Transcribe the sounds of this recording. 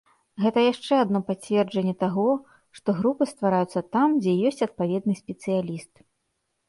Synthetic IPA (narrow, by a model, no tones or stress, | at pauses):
ɣɛt̪ɐjaʂt͡ʂɛad̪nɔpat͡sʲvʲɛrd͡ʐɐnʲːɛt̪aɣɔ | ʂt̪ɔɣɾupɨst̪vaɾajut̪sːɐt̪amd͡zʲɛjɔsʲt͡sʲɐt̪̚pavʲɛd̪̚nɨsʲpʲɛt̪sɨjalʲist̪̚